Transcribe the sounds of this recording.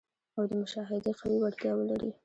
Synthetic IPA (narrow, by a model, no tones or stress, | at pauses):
awd̪əmʊʃɑɦɪd̪eqawiwaɽt̪jɑwəlaɾḭ